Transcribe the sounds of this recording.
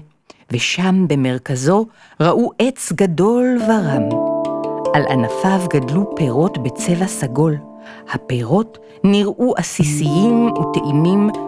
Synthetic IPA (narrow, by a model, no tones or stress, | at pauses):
veʃambe̞me̞ʁkazo̞ | ʁaʔuʔet͡sɡado̞lvaʁam | ʔalʔanafavɡadlupeʁo̞tbe̞t͡se̞vasaɡo̞l | hapeʁo̞t | niʁʔuʔasisijimuteʔimim